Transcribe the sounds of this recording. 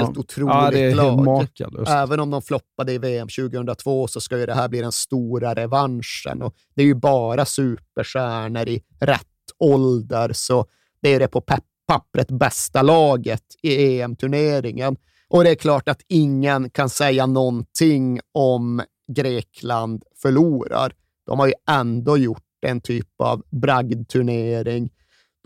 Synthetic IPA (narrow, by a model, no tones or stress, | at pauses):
lʊt̪ʰɾuːlɪlːɑlːmɑ̰ːɛːvənɔmd̪ɔmflɔpːad̪əɪveːɛmɕʉːɡəhɵnd̪ɾat̪ʰvoːsɔskajɵd̪ɛɦæːɾbliːd̪ɛnst̪uːɾaɾɛvanʂə̰nɔ | d̪̥ɛæɾjɵbɑːɾasʉ̟ːpəʂæːɳəɾɪ | ɾɛ̰t̪ːɔld̪əɾsɔ | d̪̥ɛæjɵd̪ɛpʰɔ | pʰːapːɾət̪bɛst̪alɑːɡət̪ɪeːɛmt̪ʰɵɳeːɾɪŋən | ʔɔd̪ɛæɾkʰlɑːʈat̪ɪŋːənkʰansɛjːanɔnt̪ʰɪŋɔm | ɡɾeːkʰland̪fœɭuːɾa̰ɾ | d̪̥ɔ̰mhaɾjɵʔɛnd̪oːjʊʈːɛnt̪ʰyːpa̰vbɾaɡd̪t̪ʰɵɳeːɾɪŋ